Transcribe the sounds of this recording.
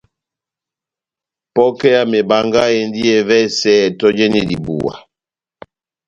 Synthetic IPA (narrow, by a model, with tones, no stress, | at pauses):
pɔ˦kɛ˦ja˦mɛ˨ba˨ŋɡa˦je˨n˦di˦ɛ˨vɛ˦sɛ˦˨tɔ˦d͡ʒɛ˦ni˦dḭ˨bṵ˨wa̰˨